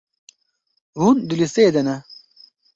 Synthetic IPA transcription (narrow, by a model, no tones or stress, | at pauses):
ɦund̪uliseːd̪ɐnɐ